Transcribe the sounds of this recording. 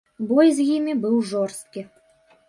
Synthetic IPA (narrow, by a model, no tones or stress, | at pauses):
bɔjzjimʲɪbɨwʐɔrst̪̚kʲi